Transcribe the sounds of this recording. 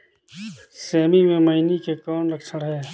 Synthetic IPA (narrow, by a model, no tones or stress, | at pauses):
sɛːmimẽmɐinikekaːnɾəkʰsəɽɦɛː